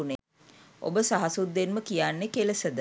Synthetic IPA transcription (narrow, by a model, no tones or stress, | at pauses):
une | ʔo̰bəsaɦasud̪ːenməkijanːekeləsəd̪ə